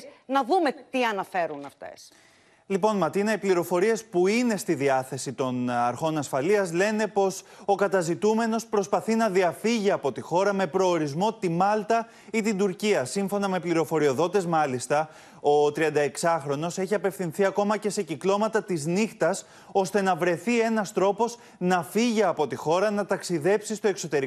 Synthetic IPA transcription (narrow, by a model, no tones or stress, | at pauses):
nɐðumet̪iɐnɐfe̞ɾunɐft̪ḛs | lipo̞nmɐt̪inɐipliɾo̞fo̞ɾie̞spuine̞st̪iðiɐθe̞sit̪o̞nɐɾxo̞nɐsfɐliɐzle̞ne̞po̞s | o̞kɐt̪ɐzit̪ume̞no̞spɾo̞spɐθinɐðiɐfiʝiɐpo̞t̪ixo̞ɾɐme̞pɾo̞ːɾizmo̞t̪imɐlt̪ɐ | it̪ind̪uɾciɐsiɱfo̞nɐme̞pliɾo̞fo̞ɾio̞ðo̞t̪ezmɐlist̪ɐ | o̞t̪ɾiɐnd̪ɐe̞ksɐxɾo̞no̞se̞çiɐpe̞fθinθiɐko̞mɐce̞se̞ciklo̞mɐt̪ɐt̪iznixt̪ɐs | o̞st̪e̞nɐvɾe̞θie̞nɐst̪ɾo̞po̞s | nɐfiʝiɐpo̞t̪ixo̞ɾɐnɐt̪ɐksiðe̞psist̪o̞e̞kso̞t̪e̞ɾi